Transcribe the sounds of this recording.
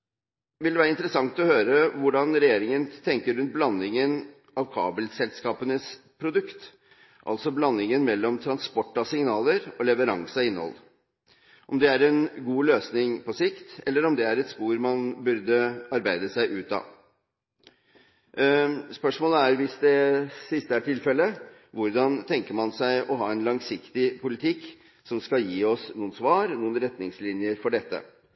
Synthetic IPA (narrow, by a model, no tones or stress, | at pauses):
ʋɪld̪ɛʋæːɾəɪnt̪ɾəsɑŋt̪ɔhøːɾəʋʊɖɑnɾɛjeːɾɪŋənt̪ʰɛŋkəɾʉnt̪̚blɑnːɪŋən | ʔɑʋkʰɑ̰ːbəlsɛlskɑːpənəspʰɾʊd̪ʉkt̪ | ʔɑ̰lsɔblɑnːɪŋənmɛlːɔmt̪ʰɾɑnspɔʈːɑsɪŋnɑːləɾɔlɛʋəɾɑŋsɑɪnːə̰ɔ̰l | ʔɔmd̪ɛæɾɛnɡuːløːsnɪŋpɔsɪkt̪ɛlːəɾɔmd̪ɛæɾɛt̪spuːɾmɑnbʉɾd̪əɑɾbæɪd̪əsæɪʔʉːt̪ɑ̰ː | spœʂmoːləæɾʋɪsd̪ɛsɪst̪əæʈʰɪlfɛlːə | ʋʊɾd̪ɑnt̪ʰɛŋkəɾmɑnsæɪʔɔɦɑːɛnlɑŋsɪkt̪ɪpʊlɪt̪ʰɪkː | sɔmskɑjiːɔsnuːənsʋɑːɾnuːənɾɛt̪nɪŋslɪnjəɾfɔɖɛt̪ːə̰